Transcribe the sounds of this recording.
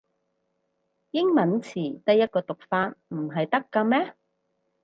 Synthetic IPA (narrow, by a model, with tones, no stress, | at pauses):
jɪ˥ŋmɐ˨˥nt͡sʰiː˨˩t̪ɐ˥jɐ˥t̚kɔː˧t̪ʊ˨k̚faː˧t̚m̩˨˩ɦɐ˨jt̪ɐ˥kːaː˧mɛː˥